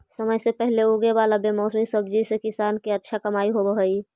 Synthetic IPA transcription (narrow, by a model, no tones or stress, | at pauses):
səməjsepɛɦleuɡebalabemɔːsmisəb̚d͡ʒisekɪsaːnkeətːʃʰakəmaːiɦobəɦəi